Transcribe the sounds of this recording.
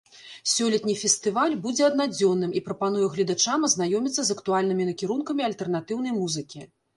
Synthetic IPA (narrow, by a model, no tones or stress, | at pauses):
sʲɔlʲɐt̪nʲifʲɛsʲt̪ɨvalʲbud͡zʲɛɐd̪nad͡zʲɔnːɨmipɾɐpanujɛɣlʲid̪at͡ʂamɐzn̪ajɔmʲit̪sːɐzɐkt̪ualʲnɨmʲinɐkʲiɾunkɐmʲiɐlʲt̪ɛrn̪at̪ɨwnɐjmuzɨkʲi